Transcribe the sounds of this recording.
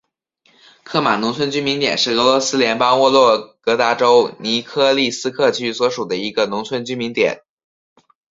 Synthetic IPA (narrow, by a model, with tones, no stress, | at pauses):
kʰɤ˥˩ma˨˩nʊ˧˥ŋt͡sʰwə˥nt͡ɕy˥nmi˧˥nt̪jɛ̰˨˩nʂɻ̩˥˩ɤ˧˥lwɔ˧˥sɹ̩˥ljɛ˧˥npɑ˥ŋwɔ˥˧lwɔ˥˩kɤ˧˥t̪a˧˥ʈ͡ʂo˥ʊni˧˥kʰɤ˥˧li˥˩sɹ̩˥kʰɤ˥˩t͡ɕʰy˥swɔ˧˥ʂu˨˩d̪ə˦i˧˥ɡə˧nʊ˧˥ŋt͡sʰwə˥nt͡ɕy˥nmi˧˥ŋt̪jɛ̰˨˩˦n